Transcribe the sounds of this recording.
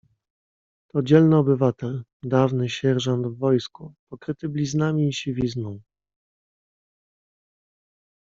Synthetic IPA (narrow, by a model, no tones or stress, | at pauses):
t̪ɔd͡ʑɛlnɘɔbɘvat̪ɛld̪avnɘɕɛɾʐɔnd̪vːɔjskupɔkɾɘt̪ɘblʲiznamʲiɕevʲiznɔ̃w